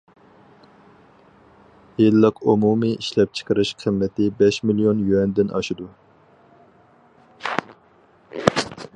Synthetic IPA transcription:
jilːɨqumumɨʔiʃlɛp̚t͡ʃʰə̥qəɾɨʃqʰəmːɛt̪ɪbɛʃmilijonjyɛnd̪ɪnʔɑ̰ʃid̪u

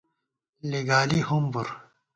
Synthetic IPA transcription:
leɡaːlihumbuɾ

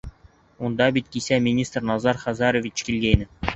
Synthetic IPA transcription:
und̪ɑbʲit̪̚ʲkʲisʲæmʲinʲist̪rnɑzɑrχɑzɑɾovʲit͡ɕkʲilʲɡʲenʲɘ̆

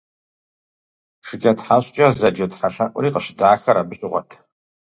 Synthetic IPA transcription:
ʂɨkʲʼɐtħaɕʼt͡ʃʼɐzɐd͡ʒetħaʃɐʔʷʊ̰ɾiːqəɕdaːxɐɾabɨɕʼɪʁʷɔ̰tʰ

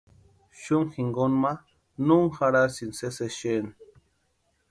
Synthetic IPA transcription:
ʃuŋxiŋɡonma | nuŋxaɾasinseseʃen

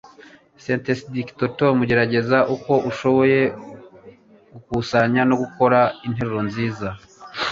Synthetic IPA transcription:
sentesdiktotomuɟe̞ɾaɟe̞zaʔuko̞ʔuʃo̞βo̞je̞ | ɡ̥ukusaɲano̞ɡuko̞ɾain̥he̞ɾeɾo̞nziːza

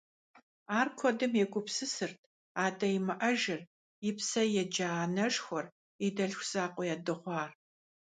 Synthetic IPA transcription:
aːrkʷʰɔdɨmjɛɡʷʼʊpsɨsɨrtʰ | aːdɐjimɨʔɐʒɪr | ɪpsɐjɛd͡ʒaːnɐʂxʷɔr | idɐɬxʷsaːqʷʼɔjɛːdɨʁʷɑːr

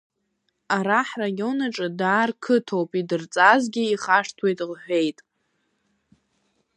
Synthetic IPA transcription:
aɾaħrajo̞naʈ͡ʂʼɨdaːrkʰɨtʰo̞wpʼidɨrt͡sʼazɡʲɪiχaʂtʰwe̞jtʼʁħʷᶣe̞jtʼ

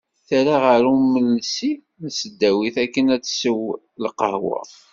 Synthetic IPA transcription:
θæɾaʁəɾuməlsi | nsəd̪ːæwiθækːənæt͡sːsəw | lqə̰hwə̰ˤ

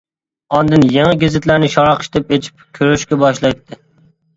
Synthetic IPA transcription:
ɒnd̪ɨnjeŋɨɡʲɪzɪt̪læɾnɪʃɑɾɑqʰʃt̪ɪpet͡ʃʰi̥p̚kʲʰøɾyʃkʲɛbɑʃlˠɑjt̪ʰːɪ

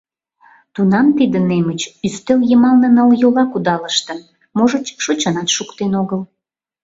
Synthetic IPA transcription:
t̪unɑmt̪id̪ə̆nemət͡ɕyst̪eljəmɑlnə̆nəljolɑkud̪ɑləʃt̪ə̆n | moʒə̆t͡ɕʃot͡ɕənɑt̪ʃukt̪enoɣəl

